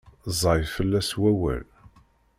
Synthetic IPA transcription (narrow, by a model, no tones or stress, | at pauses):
zˤɑjfəlːæswæwə̰l